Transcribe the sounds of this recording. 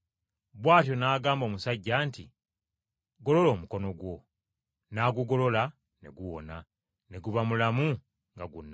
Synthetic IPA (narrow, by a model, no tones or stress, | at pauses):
βwaːtjo̞naːɡaːmbo̞ːmusaɟːaːnti | ɡo̞lo̞lo̞ːmuko̞no̞ɡwo̞ | naːɡuɡo̞lo̞la | ne̞̰ɡuwo̞̰na | ne̞ɡuβamulamu | ŋɡaɡunːa